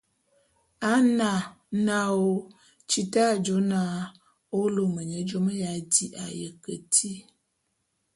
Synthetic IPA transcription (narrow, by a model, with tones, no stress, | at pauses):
a˦na˨ | na˦o˦ | t͡ʃi˦ta˦˨d͡ʒo˨˦na˦ | o˦lo˨mə˨ɲə˨˦d͡ʒo˦mə˦ja˨˦di˦ʔa̰˨jə˨kə̰˨tʰi˦